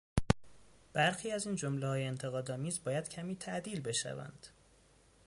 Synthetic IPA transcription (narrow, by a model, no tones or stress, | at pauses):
b̥æɾxiːæziːnd͡ʒomlehɒːjeːnt̪ʰe̞ɣɒːd̪ɒːmiːzbɒːjæd̪̥cʰæmiːt̪ʰæʔd̪iːlbe̞ʃæ̰væ̰nd̪̥